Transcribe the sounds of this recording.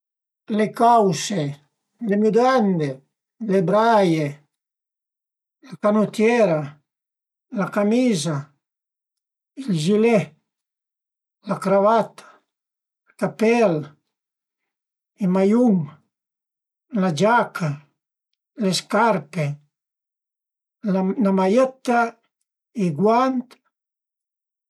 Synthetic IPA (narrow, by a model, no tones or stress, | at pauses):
lekawse | lemud̪and̪e | lebɾaje | lakanot̪jɛɾa | lakamiːza | ild͡ʒilɛ | lakɾavat̪ʰḁ | ilkapɛl | imajuŋ | lad͡ʒakʰa | leskaɾpe | namajet̪a | iɡwant̪